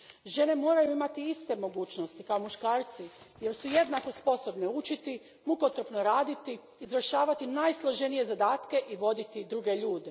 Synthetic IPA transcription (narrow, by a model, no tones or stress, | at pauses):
ʒe̞ne̞mo̞ːɾajuimat̪iist̪e̞mo̞ɡuːt͡ʃnost̪ikaomuʃkaːɾt̪si | je̞ɾsuje̞d̪nako̞spo̞so̞bneut͡ʃit̪i | muko̞t̪ɾopnoɾaːd̪it̪iː | zɾaʃaːʋat̪inajslˠo̞ʒenije̞zad̪aːt̪ke̞ʔiʋo̞d̪it̪id̪ɾuɡe̞ʎuːd̪e̞